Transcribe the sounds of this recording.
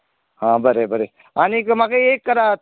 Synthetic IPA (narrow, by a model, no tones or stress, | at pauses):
ɦãːbɐɾebəɾe | aːnikmakeeːkːɐɾa